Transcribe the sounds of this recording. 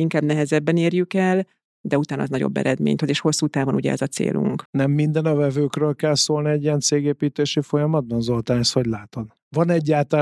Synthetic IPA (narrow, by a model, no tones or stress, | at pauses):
iŋkaːbnɛɦɛzɛbːɛneːrjykɛl | d̪ɛut̪aːnɒ̰znɒɟo̞̰bːɛ̰ɾɛd̪mḛːɲt̪hø̞zeːʃho̞sːuːt̪aːvonuɟɛ̰ɛ̰zɒt̪sḛːlṵŋknɛmːind̪ɛnɒvɛvøːkrøːlkɛlsoːlniɛɟːijɛnt̪seːɡeːpiːt̪eːʃifo̞jɒmɒd̪̚bɒnzolt̪anɛsho̞ɟlaːt̪o̞n | vɒnɛɟːaːt̪